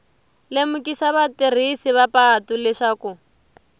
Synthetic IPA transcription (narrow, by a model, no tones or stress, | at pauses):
lemukisaβatir̤isiβapatulɛʂaku